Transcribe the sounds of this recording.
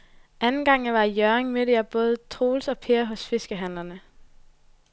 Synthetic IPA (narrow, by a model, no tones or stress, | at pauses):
ænn̩ɡ̥ɑ̈ŋ̰ʋɑ̈ijœɐeŋmød̥əjæb̥ɔ̽ːð̞ˠət͡sʰʁo̝ːlsɒ̽pʰeːɐɦɔ̽sfe̝sɡ̥əɦæn̰lɐnə